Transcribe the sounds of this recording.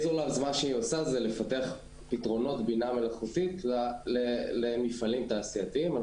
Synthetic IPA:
zolavzmanʃeiosazelefateaχ | pitʁo̞no̞tbiname̞laχutitlelemifalimtaːsijatiima

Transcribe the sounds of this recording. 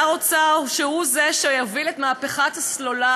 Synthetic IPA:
aʁot͡saʃehuzeʃejavilet̪maːpeχat̪haslo̞la

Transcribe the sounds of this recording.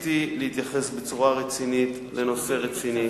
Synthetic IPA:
t̪ilehit̪jaχe̞sbet͡suʁaʁet͡sinit̪ | leno̞se̞ʁet͡sini

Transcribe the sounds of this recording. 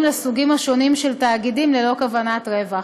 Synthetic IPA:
mlesuɡimaʃo̞nimʃeltaːɡidimlelo̞kavanatʁe̞va

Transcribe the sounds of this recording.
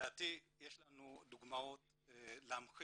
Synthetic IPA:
at̪ijeʃlanud̪uɡmawot̪̚ | lamxi

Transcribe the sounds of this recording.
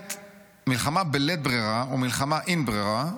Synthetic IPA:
t | milχamabelet̪̚bʁiʁaomilχamaʔinbʁeʁa

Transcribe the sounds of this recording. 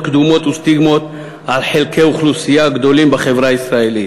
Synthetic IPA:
kd̪umo̞t̪ust̪iɡmo̞t̪ | ʕalħelkeuχlusijaɡd̪o̞limbaχe̞vʁaisʁae̞lit

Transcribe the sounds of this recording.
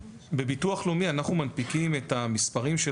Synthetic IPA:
bebituaχlomianaχnumanpikime̞tamispaʁimʃe

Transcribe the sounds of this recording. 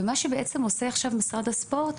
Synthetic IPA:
emaʃebeʔet͡semo̞seaχʃavmisʁad̪aspo̞ʁt̪

